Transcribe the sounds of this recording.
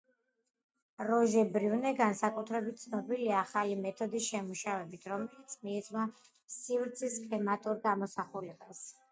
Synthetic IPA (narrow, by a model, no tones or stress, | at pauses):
ɾɔʒɛbɾivnɛɡansakʼut̪ʰɾɛbit̪̚t̪sʰnɔbiliaːχalimɛt̪ʰɔd̪isʃɛmuʃavɛbit̪ʰɾɔmɛlit̪sʰmiɛt̪sʼma | sivɾt̪sʰiskʼlɛmat̪ʼuɾɡamɔsaχulɛbas